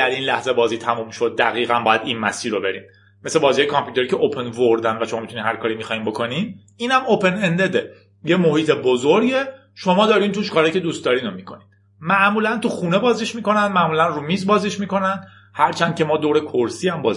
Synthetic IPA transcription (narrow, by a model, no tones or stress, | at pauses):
æɾinlæhze̞bɒːziːt̪ʰæmuːmʃo̞d̪̚ːæɣiːɣænbɒːjæd̪inmæ̰siːɾo̞be̞ɾḭːmː | e̞sebɒːzihɑjekʰɒmpʰjut̪e̞ɾiːcʰe̞ʔopʰenvoɾd̪ænvæʃomɒːmit̪uniːnhæɾkʰɒːɾiːmixɒːhimbokʰo̞nin | iːnhæmopʰe̞nend̪ed̪e | jemohiːt̪ʰebozoɾɟe̞ | ʃo̞mɒːd̪ɒːɾiːnt̪uʃkʰɒɾejcʰe̞d̪uːst̪d̪ɒːɾiːnomiːkʰo̞nid̥̪ | mæʔmuːlænt̪uxuːne̞bɒːziʃmiːko̞nænd̪mæʔmuːlænruːmizbɒːziʃmiːko̞nænd̪ | hæɾt͡ʃʰænd̪̥cʰʲe̞mɒːd̪oːɾekʰoɾsiːæmbɒːzi